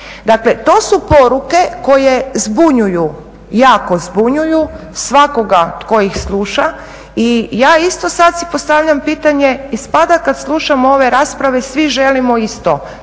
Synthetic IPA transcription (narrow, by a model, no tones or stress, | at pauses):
d̪akle̞t̪o̞ːsupo̞ɾuke̞ko̞jezbuɲuju | jaːko̞zbuɲuju | sʋako̞ɡaot̪ko̞ixslˠuːʃa | ijaːist̪o̞sad̪sipo̞st̪aʋʎampiːt̪aɲe̞ispad̪akad̪slˠuʃamooʋe̞ɾaːspɾaʋe̞sʋiʒe̞limoist̪o